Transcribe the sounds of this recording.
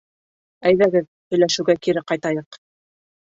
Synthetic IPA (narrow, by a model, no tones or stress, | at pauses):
æjðæɡɘð | hɵ̆jlæʃɘ̆wɡækiɾɘqɑjt̪ɑjɤq